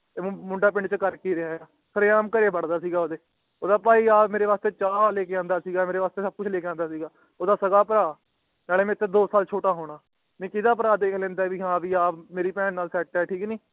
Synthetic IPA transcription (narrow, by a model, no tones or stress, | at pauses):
mʊɳɖaːpɪ̃ɳɖt͡ʃəkəɾkeːɾɪɦaːjaː | səɾeːãːmkəɾeːbəɽd̪aːsiːɡaːoːd̪eː | oːd̪aːpaːiːaːmeːɾeːʋaːst̪eːt͡ʃaːleːkeãːnd̪aːsiːɡaːmeːɾeːʋaːst̪eːsəb̚kʊt͡ʃʰleːkeãːnd̪aːsiːɡaː | oːd̪aːsəɡaːpəɾaː | naːleːmɛ̃ːɪt̪ːeːd̪oːsaːlt͡ʃʰoːʈaːɦoːɽ̃aː | nẽːkɪd̪aːpəɾaːd̪eːkʰlɛ̃ːnd̪aːʋiːɦãːʋiːaːpmeːɾiːpɛ̃ːnnaːlsɛːʈɛːʈʰiːkniː